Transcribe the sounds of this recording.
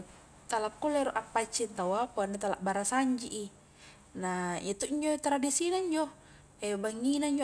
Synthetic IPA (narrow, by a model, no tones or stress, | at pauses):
t̪alakːuleɾuʔapːat͡ʃːint̪awapuanet̪ala̰ʔbaɾasaɲd͡ʒiʔi | najat̪uiɲd͡ʒot̪ɾadisinaiɲd͡ʒo | ebaŋːinaiɲd͡ʒo